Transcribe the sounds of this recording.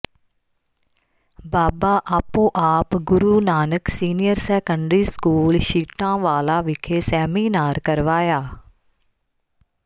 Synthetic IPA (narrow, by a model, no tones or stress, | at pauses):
baːbaːʔaːpõːʔaːpɡʊɾuːnaːnəksiːnɪjəɾsɛːkəɳɖɾiːskuːlʃiːʈãːʋaːlaːʋɪkʰeːsɛːmiːnaːɾkəɾʋaːjaː